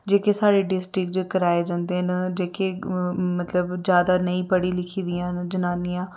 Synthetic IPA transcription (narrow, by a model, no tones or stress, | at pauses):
d͡ʒeːkeːsaːɽeːɖɪsʈɾɪkd͡ʒkəɾaːeːd͡ʒãːnd̪eːnd͡ʒeːkemət̪ləbd͡ʒjaːd̪aːnəĩːpəɽiːlɪkʰiːd̪ɪjãːnd͡ʒənaːnɪjãː